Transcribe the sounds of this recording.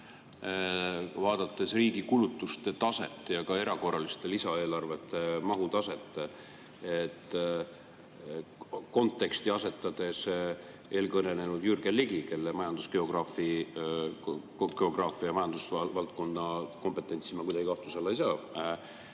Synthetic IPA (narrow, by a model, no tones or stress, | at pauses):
vɑːd̪̥ɑt̪ˑːe̞sriːɡikulut̪ˑːust̪e̞t̪ɑse̞̰t̪ːˑjɑkɑe̞ɾɑko̞rːɑlist̪e̞lisɑe̞ːlɑrve̞t̪ːˑemɑɦut̪ɑse̞t̪ːˑe | et̪ːˑ | ko̞nt̪ˑːe̞kst̪iɑse̞t̪ːˑɑd̪̥e̞s | ʔeːlkɤne̞ne̞nud̪̥jyrɡ̥eliɡike̞lːemɑjɑnd̪usɡ̥e̞o̞ɡ̥rɑːfi | ɡ̥e̞o̞ɡ̥rɑːfiɑmɑjɑnd̪̥usvɑlt̪̚ko̞nːɑko̞mpe̞t̪ːˑe̞nʲt̪simɑkujd̪ɑɡ̥ikɑht̪uselːejsɑː